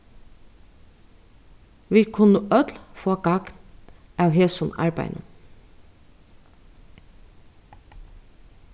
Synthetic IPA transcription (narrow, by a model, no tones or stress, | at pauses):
ʋiːkʰʊnəʔœt̪lfoːɡɑɡ̥nɑːʋɦeːsʊnɑ̰ɹbæ̰ɪnə̰